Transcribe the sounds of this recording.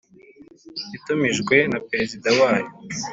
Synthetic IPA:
itumiʒɡwe̞napeɾezidawaːjo

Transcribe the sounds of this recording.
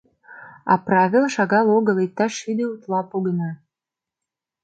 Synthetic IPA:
ɑ̰prɑvʲilˠʃɑɣɑloɡɤ̆let̪ːɑʃyd̪eut̪lˠɑpoɡənɑ

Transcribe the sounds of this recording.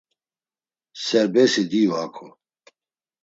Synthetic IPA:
sɛɾbɛsid̪iwakʰɔ

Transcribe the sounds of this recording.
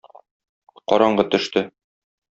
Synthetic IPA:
qɒɾɑɴɢɤt̪ɵ̆ʃt̪ɘ

